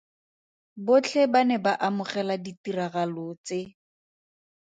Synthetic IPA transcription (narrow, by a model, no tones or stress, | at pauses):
bot͡ɬʰɛbanɛbaʔamʊχɛladitiraɣalʊt͡sɪ